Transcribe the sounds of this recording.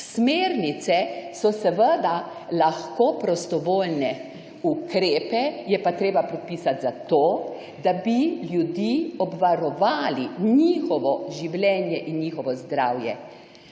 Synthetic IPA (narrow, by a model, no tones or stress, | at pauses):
smeːɾnit̪sɛsɔsɛʋəd̪a | laxkopɾɔst̪ɔʋoːlnɛ | ukɾeːpɛjɛpat̪ɾeːbapɾɛt̪̚piːsat̪zat̪oː | d̪abiljud̪iːɔbʋaɾɔʋaːliɲiːxɔʋɔʒiwlʲjɛːnjɛʔinɲixɔʋɔzd̪ɾaːwjɛ̰